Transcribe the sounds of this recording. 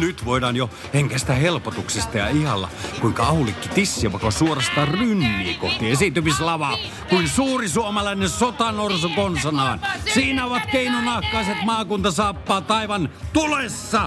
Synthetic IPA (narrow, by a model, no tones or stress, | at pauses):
nyt̪ʋoˑidɑːnjo | heŋkæsi̥t̪æhelpot̪uksist̪ɑjɑ̰ihɑlːɑ̰kuiŋkɑɑhulikːit̪isːiæʋɑˑikːɑsuorɑst̪ɑrynːḭːko̰ht̪iesit̪yʋislɑʋɑ | kuinsuːrisuomɑlɑinensot̪ɑnorsokonsɑnɑːnsiːnæoʋɑt̪keinonɑhkˑɑiset̪mɑːkunt̪ɑsɑːpːɑːt̪ɑiʋɑnt̪ulesːɑ